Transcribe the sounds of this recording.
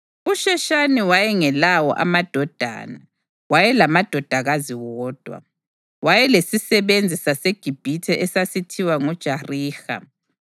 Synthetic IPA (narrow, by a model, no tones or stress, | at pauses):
uʃɛʃaniwajɛŋɛlawɔ̰ʔa̰mad̥ʱɔd̥ʱa̰ːna | wajɛlamad̥ʱɔd̥ʱaɣaziwɔːd̥ʱwa̰ | wajɛlesisɛβend͡zʱisaseɡ̥ʱib̥ʱitʰɛʔɛsasitʰiwaŋɔd̥ʒ̥ʱariːxa̰